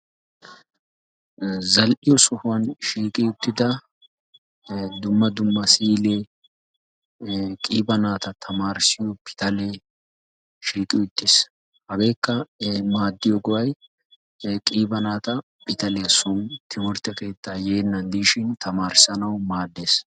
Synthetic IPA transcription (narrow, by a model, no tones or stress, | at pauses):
zɐlʔɪjɔsɔhʊwɐnʃiːkʼɪjʊt̪ːɪd̪ɐ | d̪ʊmːɐd̪ʊmːɐsiːleː | kʼiːbɐnaːt̪ɐt̪ʰɐmaːɾsɪjɔpʰɪ̥t̪ɐle | ʃiːkʼɪjʊt̪ːes | hɐɡe̞ːkːɐmaːd̪ːɪjɔɡɔwɐj | kʼiːbɐnaːt̪ɐ | pɪt̪ɐlɛjɐsʊnt̪ʰɪmɔɾt̪ːɐke̞ːt̪ːaːjeːnːɐnd̪iːʃɪnt̪ʰɐmaːɾsɐnɐwmaːd̪ːeːs